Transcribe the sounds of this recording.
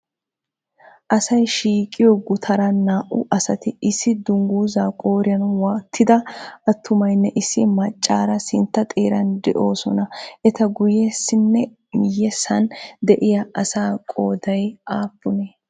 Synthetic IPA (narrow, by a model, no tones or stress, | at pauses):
ʔɐsɐjʃiːkʼːɪjɔɡʊt̪ʰɐɾɐnːaːʔʊ̰ʔɐsɐt̪ɪɪsːɪd̪ʊŋɡuːzaːkʼo̞ːɾɪjɐnwaːt̪ʰːɪd̪ɐɐt̪ʰːʊmɐjnːɛʔɪsːɪmɐt͡ʃʼːaːɾɐsɪnt̪ːɐt̪ʼeːɾɐnd̪ɛ̰ʔo̞ːsɔnɐʔɛt̪ɐɡʊjɛsːɪnːɛ | mɪjːɛsɐnd̪ɛʔɪjɐʔɐsaːkʼoːd̪ɐjʔaːpːʊne